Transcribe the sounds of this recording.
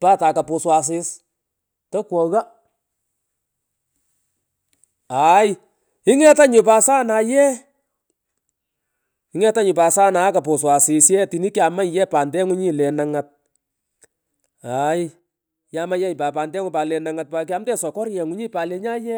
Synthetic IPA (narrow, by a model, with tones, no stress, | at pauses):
paː˦ta˨ka˨pʊ˨swa˨s̬ɪ˧s | tɔ˦kwɔ˨ɣa˦ | a˨j | ɪ˦ŋɛ˦ta˦ɲʊ˨pa˨sa˦na˨jɛ˦ | ɪ˦ŋɛ˦ta˦ɲʊ˨pa˨sa˦na˨˦ka˨pʊ˨swa˨sɪ˨sjɛ˦ti˨ni˦kja˨ma˦˨jɛ˦pa˨ndɛ˦ŋʊ˦ɲi˦lɛ˨na˨ŋa˨t̚ | a˨j | ja˦ma˦jɛ˦jpa˨pa˨ndɛ˦ŋʊ˨pa˨lɛ˨na˨ŋa˨t̚pa˨k̬ja˧˦mtɛ˦sɔ˨kɔ˦ɾjɛ˨ŋʊ˦ɲi˦pa˨lɛ˨ɲa˦jɛ˦